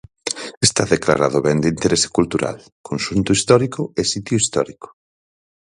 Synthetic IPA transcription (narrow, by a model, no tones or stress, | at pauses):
est̪aðekla̰ɾaðʊβɛnd̪ɪint̪eɾesɪ̥kult̪uɾa̰l | kʰonsunt̪ʊist̪ɔɾikʊesit̪jʊist̪ɔ̰ɾikʊ̥